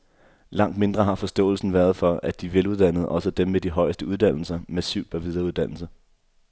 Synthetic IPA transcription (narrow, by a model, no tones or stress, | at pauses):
lɑ̈ŋ̰d̥me̝nd̥ʁɐɦɑ̈fɒ̽sd̥ɔ̰̽ːl̩sn̩ʋæːɐð̞̩ˠfɒ̽æd̥iʋeluð̞ˠd̥æn̰ð̞̩ˠʔɒ̽səd̥emːed̥iɦɒ̽ɪsd̥əuð̞ˠd̥æn̰l̩sɐmæsḭʊd̥b̥æʋiðˠɐuð̞ˠd̥æn̰l̩sə